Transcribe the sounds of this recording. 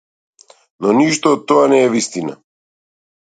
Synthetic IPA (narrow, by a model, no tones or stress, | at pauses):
nɔniʃt̪ɔːt̪t̪ːɔanɛːvist̪ina̰